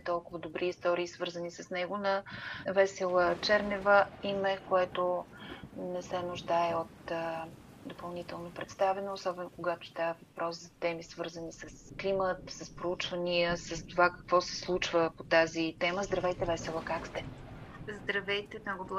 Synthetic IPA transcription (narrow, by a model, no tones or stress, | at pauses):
t̪ɔlˠkʊvəd̪obɾʔiːst̪ɔɾiːsvɤɾzənisəsnɛɡonɐvɛsɛlˠət͡ʃɛɾnɛvəimɛkoɛt̪o | nɛsɛnʊʒd̪aɛot̪ | d̪opɐlˠnit̪ɛlˠnopɾɛt̪st̪avɛnoːsɔbɛnokoɡat̪o̥st̪avəvɐpɾɔszɐt̪ɛmisvɤɾzənisəsklimət̪səspɾout͡ʃvəniəsəst̪ovakə̥kvɔsɛ̥slˠut͡ʃvəpot̪azit̪ɛməzd̪ɾɐvɛjt̪ɛvɛsɛlˠəkakst̪ɛzd̪ɾɐvɛjt̪ɛmnɔɡoblˠ